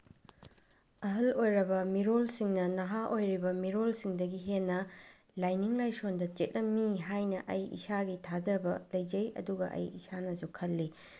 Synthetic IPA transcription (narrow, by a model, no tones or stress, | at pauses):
ɐɦɐlojɾɐbɐmiɾolsiŋnɐnɐɦaʔojɾibɐmiɾolsiŋdɐɡiɦenːɐ | lajniŋlajsondɐt͡ʃet̚lɐmːiɦajnɐʔɐjḭsaɡitʰad͡ʒɐbɐlɐjd͡ʒɐjɐ̰duɡɐʔɐ̰jisanɐsukʰɐlːi